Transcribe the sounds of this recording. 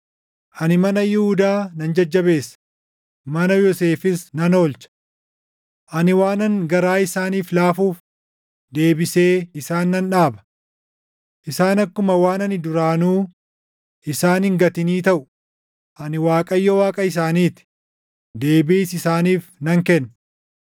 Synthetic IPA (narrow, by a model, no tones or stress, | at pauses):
ʔɐnɪmɐnɐjɪhʊd̪aːnɐnd͡ʒɐd͡ʒːɐbe̞ːsːɐ̥ | mɐnɐjɔse̞ːfɪsnɐno̞ːlt͡ʃɐ̥ | ʔɐnɪwaːnɐŋɡɐɾaːɪsaːniːflaːfuːf | d̪e̞ːbɪse̞ːɪsaːnːɐnᶑaːbɐ̥ | ʔɪsaːnɐkːʊmɐwaːnɐnɪd̪ʊɾaːnuː | ʔɪsaːnhɪŋɡɐt̪ɪniːt̪ɐʔʊ | ʔɐnɪwaːkʼɐjːɔwaːkʼɐɪs̬aːniːt̪ɪ̥ | d̪e̞ːbiːsɪsaːniːfnɐŋkɛnː